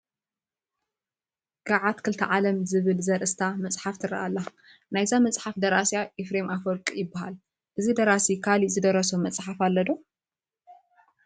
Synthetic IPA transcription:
ɡ̥aʕat̪kʰɨlt̪ʰɐʕalɐmzɨβɨlzɐɾʔɨst̪ʰamɐt͡sʼħaft̪ʰɨɾɐ̰ʔalːa | najzamɐt͡sʼħafd̪ɐɾasjaʔifɾemʔafɔlkʼijɪbːaha̰l | ʔɨzid̪ɐɾasikʰalizɨd̪ɐɾɐsomɐt͡sʼħafalːɐd̪o

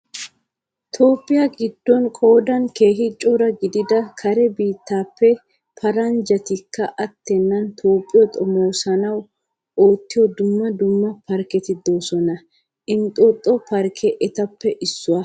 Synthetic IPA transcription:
t̪ʰo̞ːpʼːɪjɐɡɪd̪ːɔnkʼo̞ːd̪ɐnkeːɦɪt͡ʃʼːɔɾɐɡɪd̪ɪd̪ɐkʰɐɾɛbiːt̪ːaːpːɛ | pʰɐɾɐnd͡ʒɐt̪ɪkːɐʔɐt̪ːɛnːɐnt̪ʰo̞ːpʼːɪjɔt̪ʼɔmo̞ːsɐnɐw | oːt̪ːɪjɔd̪ʊmːɐd̪ʊmːɐpɐɾkɛt̪ɪd̪o̞ːsɔnɐ | ɪnt̪ʼɔt̪ʼːɔpɐɾkʰɛʔɛt̪ɐpːɛʔɪsːʊwɐ

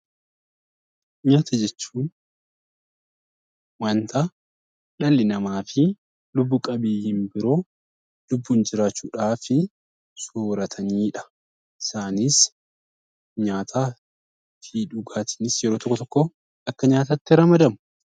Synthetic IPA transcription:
ɲaːt̪ʰɐd͡ʒɛt͡ʃːuːn | wɐnt̪ʰa | ᶑɐlːɪnɐmaːfɪ | lʊbːuːkʼɐbiːhɪmbɪɾo̞ː | lʊbːuːnd͡ʒɪɾaːt͡ʃːuːᶑaːfɪ | suːɾɐt̪ʰɐniːᶑɐ̥ | ɪsaːniːs | ɲaːt̪ʰaː | fiᶑʊɡaːt̪ʰi̥ːnɪsjɛɾoːt̪ɔkːɔt̪ɔkːɔ | ɐkːɐɲaːt̪at̪ːɪɾɐmɐd̪ɐmʊ̥

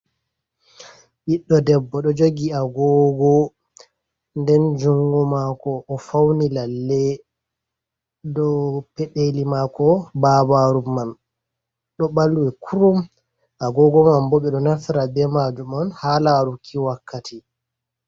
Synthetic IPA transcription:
ʔiɗːɔdɛbːɔɗɔd͡ʒoɡiaɡɔɡɔ | ndɛnd͡ʒuŋɡɔmakɔʔːfawnilalːɛ | dɔpɛɗelimakɔbabaɾumːan | ɗɔɓalːuwɛkʰuɾum | ʔaɡɔɡɔmambɔɓɛɗɔnafiɾabɛmad͡ʒumanhaːlaɾukʰːiwakːatʰi

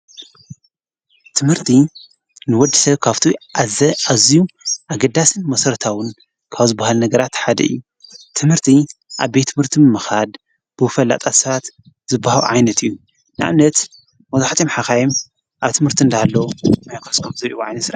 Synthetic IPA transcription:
t̪ʰɨmhɨɾt̪ʰi | nɨwɔd̪ɨ̥sɐβkʰaβt̪ʰi | azijuʔaɡɐd̪asɨnmɐsɐɾt̪ʰawɨn | kʰaβzɨbːahalnɐɡɐɾat̪ħad̪ɐ̰ɨ̰jːu | t̪ʰɨmhɨɾt̪ʰiʔaβbet̪ʰːɨmhɨɾt̪ʰimɨmɨxad̪ | b̥ɨfɐlːa̰t̪ʼat̪sɐβat̪ | zɨbːahal̰ʕa̰jnɐt̪ʰɨjːu | nɨʔa̰mnɐt̪ | mɐzaħt̪ʼimħakajim | ʔaβt̪ʰɨmhɨɾt̪ʰiɨnd̪aalːɐmajkʰɐskʰɐmzɐɾiʔuʕa̰jnɐt̪sɨɾ

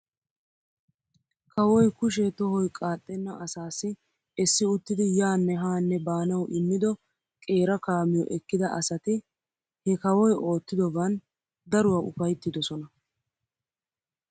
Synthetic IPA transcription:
kɐwɔjkʊʃ̬ɛt̪ɔɦɔjkʼaːt̪ʼːɛnːɐʔɐsaːsːɪ | ɛsːɪʊt̪ːɪd̪ɪjaːnːɛɦaːnːɛbaːnɐwʔɪmːɪd̪ɔ | kʼe̞ːɾɐkaːmɪjɔ̰ʔɛkːɪd̪ɐʔɐsɐt̪ɪ | hɛkɐwɔjo̞ːt̪ːɪd̪ɔbɐn | d̪ɐɾʊwaʊfɐjt̪ːɪd̪ɔsɔnɐ

